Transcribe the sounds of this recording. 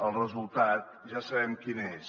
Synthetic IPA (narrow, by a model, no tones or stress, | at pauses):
əlˠrəzulˠt̪at̪̚ | ʒasəβɛmkines